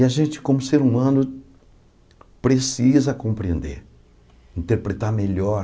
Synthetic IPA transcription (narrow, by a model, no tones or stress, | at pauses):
ɐʒẽnt͡ʃɪ̥kõmʊseɾumɐ̃nʊ | pɾesizɐkõpɾḛ̃nd̪eɾ | ĩnt̪eɾpɾet̪aɾmeʎɔɾ